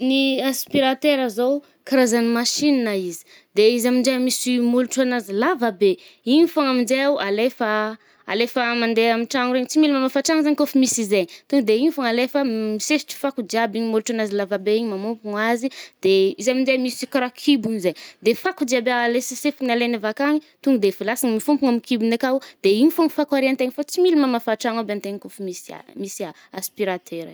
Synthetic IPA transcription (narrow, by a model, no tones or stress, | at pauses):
niaspiɾat̪eɾazow | kiɾazanimaʃinnaizi̥ | d̪eizamind͡ʒemisimuluʈ͡ʂuanazilavabe | inifaŋaminzejawʔalefə | a̰lefəmand̪eamiʈ͡ʂaŋuɾeɲit͡similimamafaʈ͡ʂaŋzaɲikʲofimisizeɲt̪uŋd̪eiɲifaŋalefəmisesi̥ʈ͡ʂi̥fakud̪iabiɲimolʈ͡ʂanazilavabeiɲimamumpuŋazid̪̥eizaminzejmisikɾakʰibunizejd̪efakud̪iabelesisefinalenavakaŋit̪uŋɡud̪efilasaŋimifumpuŋamikibunekawd̪̥eiɲifoŋfakwaɾiant̪eɲifat͡similimamafaʈ͡ʂaŋabeant̪eɲikofumisa̰misa | aspiɾat̪ʰeɾ